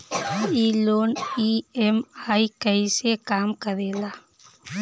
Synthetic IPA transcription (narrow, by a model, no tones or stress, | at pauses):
iːloːniemajkɐjsekaːmkɐðela